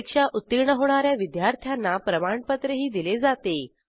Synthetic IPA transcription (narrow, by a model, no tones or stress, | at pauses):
kʂaʔut̪ːiɾɳəɦoɽ̃aɾjaʋid̪jaɾt̪ʰjanːapɾəmaɳpət̪ɾəɦiːd̪iled͡zat̪e